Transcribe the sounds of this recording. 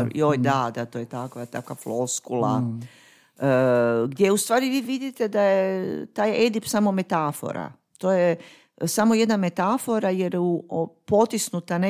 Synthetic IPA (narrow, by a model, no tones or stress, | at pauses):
ojd̪ad̪at̪oːjet̪akʋat̪akʋafloskula̰ | ɡd̪ʲjeust̪ʋaːɾiʋiːʋid̪it̪e̞d̪ajet̪aːjed̪ipsamo̞me̞t̪afo̞̰ɾa̰ | t̪oːje | samoje̞d̪name̞t̪afo̞ɾajeɾupo̞t̪isnut̪ane